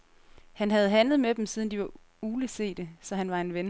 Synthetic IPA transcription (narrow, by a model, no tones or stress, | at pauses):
hænɦæð̞̩ˠɦænləð̞̩ˠmed̥em̩siːð̞ˠən̩d̥iʋɑ̈ | uːləse̝̰ːd̥əsɒ̽ɦænʋɑ̈e̝nʋen